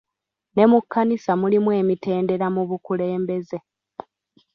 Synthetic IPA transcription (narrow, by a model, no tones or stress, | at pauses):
ne̞mukʰːanisamulimwe̞ːmite̞ːnde̞ɾamuβukule̞ːmbe̞ze̞